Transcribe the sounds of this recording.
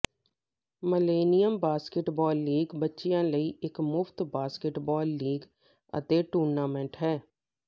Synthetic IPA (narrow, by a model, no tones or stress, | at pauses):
məleːnijəmbaːskeʈbɔːlːiːɡbətːʃijãləiʔɪkmʊft̪baːskeʈbɔːlːiːɡ | ə̰t̪eʈuːɾnaːmɛ̃ɳʈɦɛː